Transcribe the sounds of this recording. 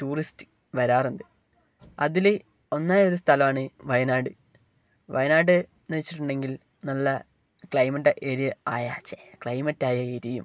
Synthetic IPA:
tuːristɨ̥ | ʋɐɾaːruɳɖɨ | ɐðile | o̞nːaːjo̞ɾust̪ʰɐlɐmaːɳɨʋɐjɐnaːɽɨ | ʋɐ̰jɐnaːɽɨ | nɐt͡ɕːi̥ʈːuɳɖe̞ŋɡil | nɐlːɐ | kɭɐjmɐʈːɐʔeːɾijɐaːjat͡ɕːekɭɐjmɐtːaːjɐeɾijum

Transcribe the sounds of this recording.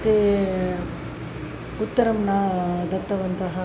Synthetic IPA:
t̪ːe | ut̪ːɐɾɐmnɐd̪ɐt̪ːɐʋɐnt̪ɐɦɐ

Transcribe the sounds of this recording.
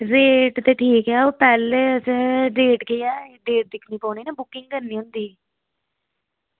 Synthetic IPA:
ɾeːʈt̪eːʈʰiːkɛːoːpɛːleːəsɖeːʈkeɛːɖeːʈ̚d̪ɪkʰniːpɔːɳiːnɛːbʊkːɪ̃ŋɡkəɾniːʊ̃nd̪iː

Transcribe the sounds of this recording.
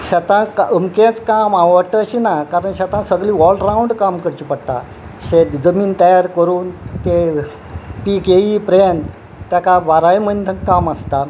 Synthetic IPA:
ɕat̪ãkaəmket͡skamaʋəɽʈ̪əːɕinakaɾəɳɕat̪ãsəɡliːʋɔlɖɾauɳɖkamkəɾt͡ɕipəɽt̪a̰ | ɕet̪d͡zəmiːnt̪əjaɾkəɾuːnk̪e | pikeipɾen | t̪jakaʋaɾajm̤ənt̪əkaməst̪a

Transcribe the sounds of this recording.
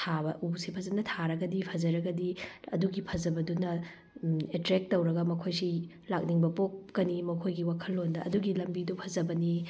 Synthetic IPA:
tʰabɐʔusipʰɐzɐnɐtʰaɾɐɡɐdipʰɐzɐɾɐɡɐdiɐ̰duɡipʰɐzɐbɐdunɐ | etɾek̚tɐwɾɐɡɐmɐkʰojsi | lak̚niŋbɐpok̚kɐnimɐkʰojɡiwakʰɐlːondɐʔɐduɡilɐmbidupʰɐzɐbɐni

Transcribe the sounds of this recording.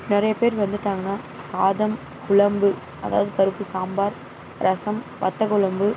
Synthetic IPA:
nɪɾɐjɐpeːɾʋɐnd̪ɯʈːaːŋɡɐnːaː | saːðɐm | kʊɭɐmbɯ | ɐða̰ːʋɐðɯpɐɾɯpːɯsaːmbaːɾ | ɾʔɐsɐm | ʋɐ̰t̪ːɐkʊɭɐmbɯ

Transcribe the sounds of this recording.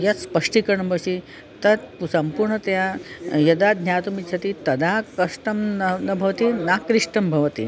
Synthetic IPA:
jɐt̪spɐʂʈikɐɾɳɐbʱɐsi | t̪ɐt̪psɐmpuɾɳɐt̪jajɐd̪ad̪ʱnʲjaːt̪umit͡ʃʰɐt̪it̪ɐd̪ʱakɐʂʈɐmnnɐbʱɐʋɐt̪inakɾiʂʈɐmbʱɐʋɐt̪ḭ

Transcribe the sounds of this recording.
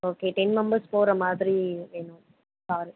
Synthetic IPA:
oːkeːʈɛnmɛmbɐɾspoːɾɐmaːðɾieːnũ | saːɾi

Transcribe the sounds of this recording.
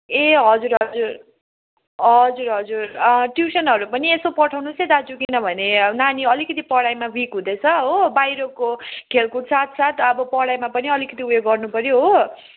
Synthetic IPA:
eɦʌd͡zuɾɦʌd͡zur | ɦʌd͡zuɾɦʌd͡zurʈjusʌnɦʌɾupʌniesopʌʈʰawnused̪ad͡zukinʌbʱʌnenaniʌlikʌt̪ipʌɽajmabikɦũd̪et͡sʰʌɦobajɾokokʰelkusat̪ʰsat̪ʰʌbʌpʌɽajmapʌniʌlikʌt̪iujoɡɡʌrnupʌɾjoɦo

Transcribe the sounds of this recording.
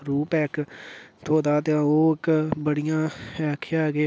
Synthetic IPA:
ɾuːpɛːkt̪ʰoːd̪aːt̪ẽoːɪkbəɽɪjãːɛːkʰaːɡeː

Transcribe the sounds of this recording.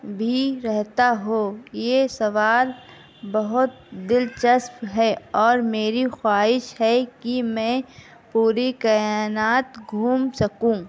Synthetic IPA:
bʱiɾɛɦt̪aɦojesɐʋaːl | bɐɦʊt̪̚d̪ɪlt͡ʃəsfɦɛɔːɾmeːɾixwaːɦɪʃɦɛkimɛ̃ | puːɾikɐjaːnaːt̪ɡʱuːmsɐkũː

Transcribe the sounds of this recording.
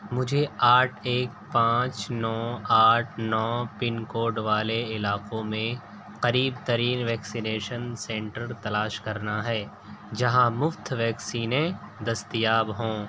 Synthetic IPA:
mʊd͡ʒʱeaːʈʰeːk̚ | pãːt͡ʃnɔːaːʈʰnɔːpɪnkoːɖʋaːleɪlaːqõmẽ | qɐɾiːbt̪ɐɾiːnʋɛːksineːʃənsɛ̃ːɳʈəɾt̪ɐlaːʃkɐɾnaɦɛː | d͡ʒɐɦãmʊft̪ʋɛːksiːnẽd̪ɐst̪ijaːbɦõː

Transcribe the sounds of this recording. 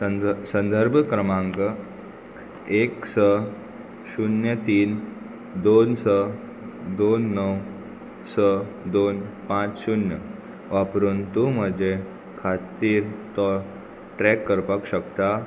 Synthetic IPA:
sənd̪əɾbʱkɾəmãŋkə | eksə | ɕunjət̪iːn | d̪onsə | d̪onːəw | sə | d̪oːnpãt͡ʃɕunjə | ʋapɾuːnt̪um̤əd͡ʑe | kʰat̪iːɾt̪ɔ | ʈɾɛkːəɾpəkɕəkt̪a

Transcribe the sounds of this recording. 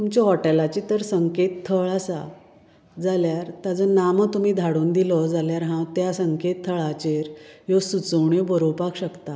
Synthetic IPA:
t̪umt͡ɕɔɦɔʈelat͡ɕit̪əɾsəŋket̪t̪ʰːəɭasa | d͡zaljaɾt̪jad͡zənamət̪um̤iːd̪ʱaɽuːnd̪ilɔd͡zaljaɾɦãt̪jasəŋket̪ʰːəɭat͡ɕeɾjosut͡səwɳebəɾowpakɕəkt̪a

